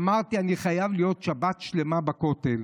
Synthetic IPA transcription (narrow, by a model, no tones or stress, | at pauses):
maʁt̪ianiχajavlijo̞tʃabat̪ʃle̞mabakot̪el